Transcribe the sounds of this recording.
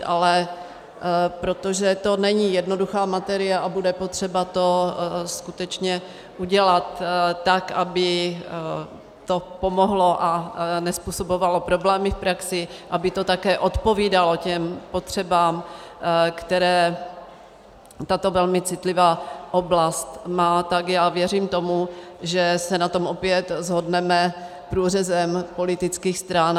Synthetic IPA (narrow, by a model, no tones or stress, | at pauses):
ʔalɛ | pɾo̞t̪oʒɛt̪o̞nɛɲijɛdno̞duxaːmat̪ɛɾɪaʔabudɛpot̪r̝̥ɛbat̪o̞skut̪ɛt͡ʃɲɛ | ʔuɟɛlat̪ːakʔabɪ | t̪opo̞moɦlo̞ʔanɛspuːsobovalo̞pɾo̞blɛːmɪfpɾaksɪʔabɪt̪o̞t̪akɛːʔo̞t̪po̞viːdalo̞cɛmpo̞t̪r̝̥ɛbaːm | kt̪ɛɾɛː | t̪at̪o̞vɛlmɪt͡sɪt̪lɪvaːʔoblast̪maːt̪aɡjaːvjɛriːmt̪o̞muʒɛsɛnat̪o̞mʔopjɛt̪zɦodnɛmɛ | pɾuːrɛzɛmpo̞lɪt̪ɪt͡skiːxst̪ɾan